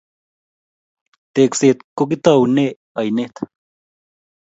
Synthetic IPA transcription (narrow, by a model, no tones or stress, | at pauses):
t̪ekseːt̪̚kok̬it̪awne | ɐjnet̪ʰ